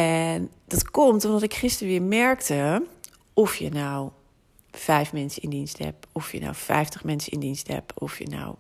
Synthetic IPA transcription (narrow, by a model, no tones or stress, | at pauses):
ɛndɑtkɔmtɔmdɔtɪkχɪstəɹʋɪːɹmɛɹktə | ɔfjə̰naw | fɛjfmɛnsəɪndinstɦɛ̰pɔfjə̰na̰wfɛ̰jftəχmɛnsəɪ̰ndinstɦɛ̰pɔ̰fjə̰na̰w